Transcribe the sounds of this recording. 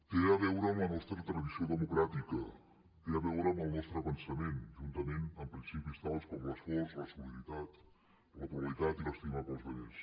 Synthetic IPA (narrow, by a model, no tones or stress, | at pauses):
eɾəβɛwɾəːmlənɔst̪ɾət̪ɾəðisioðəmukɾat̪ikə | eəβɛwɾəməlˠnɔst̪ɾəpənsəmenʒunt̪əmenəmpɾinsipist̪alˠskɔmləsfɔɾzləsuliɾit̪at̪ | lət̪uəlit̪at̪iləst̪imapəlˠzβəʎes